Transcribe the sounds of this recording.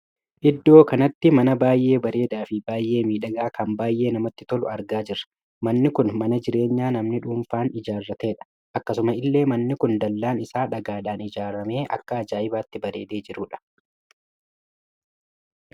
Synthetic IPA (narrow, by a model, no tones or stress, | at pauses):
ʔɪd̪ːo̞ːkɐnɐt̪ːɪmɐnɐbaːjʔe̞ːbɐɾe̞ːd̪aːfɪbaːjʔe̞ːmiːᶑɐɡaːkɐmbaːjʔe̞ːnɐmɐt̪ːɪt̪ɔlʊɐɾɡaːd͡ʒɪɾɐ̥ | mɐnːɪkʊnmɐnɐd͡ʒɪɾe̞ːɲːaːnɐmnɪᶑuːnfaːnɪd͡ʒaːrːɐt̪e̞ːᶑɐ̥ | ʔɐkːɐsʊmɐɪlːe̞ːmɐnːɪkʊnd̪ɐlːaːnɪsaːᶑɐɡaːᶑaːnɪd͡ʒaːɾɐme̞ːʔɐ̰kːɐːd͡ʒaːɪbaːt̪ːɪbɐɾe̞ːd̪e̞ːd͡ʒɪɾuːᶑɐ̥